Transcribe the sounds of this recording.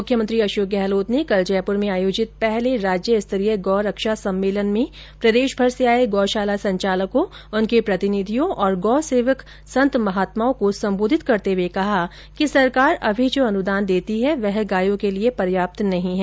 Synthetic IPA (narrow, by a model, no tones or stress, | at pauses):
mʊkʰːjəmə̃nt̪ɾiɐʃoːk̚ɡɛɦloːt̪nekɐld͡ʒɛːpʊɾmẽaːjoːd͡ʒɪt̪̚pɛɦleɾaːd͡ʒjəɪst̪ɐɾiəɡɔːɾəkʃasɐ̃mːeːlənmẽ | pɾɐd̪eːʃbʱɐɾseaːeɡɔːʃaːlasɐ̃ɲt͡ʃaːləkõ | ʊnkepɾɐt̪ɪnid̪ʱijõʔɔːɾɡɔːseːʋək | sɐ̃nt̪mɐɦaːt̪maːõkosɐ̃mboːd̪ʱɪt̪kɐɾt̪eʋekɐɦa | kisɐɾkaːɾɐbʱid͡ʒoːɐnud̪aːnd̪eːt̪iɦɛʋɛɦɡaːjõkeliepɐɾjaːp̚t̪nɐɦĩɦɛː